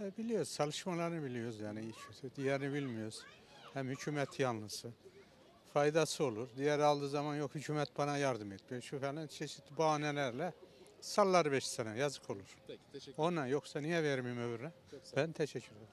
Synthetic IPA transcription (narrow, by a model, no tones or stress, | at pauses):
ɛbilʲijoɾuzt͡ʃʰalˠɯʃmalˠaɾnɯbilʲijo̞ɾuzjaːniit͡ʃʰøt̪id̪ijɛɾinibilʲmijo̞ɾuz̥ | hæmhycʰuːmɛt̪ʰjanˠlɯsɯ | fajd̪asɯo̞lˠuɾd̪ijɛɾalˠd̪ɯːzamanjo̞khycʰuːmɛt̪̚banajaɾd̪ɯmɛt̪mijoʃufɛnlænt͡ʃʰeʃi̥t̪ibuaːnɛlʲæɾlʲɛsalˠːaɾɯbɛʃsɛnɛjazɯkʰo̞lˠuɾ̥o̞najo̞ksanijɛveɾimijimøvɾynɛ | bænt̪ʰɛʃɛcʰːyɾejɾum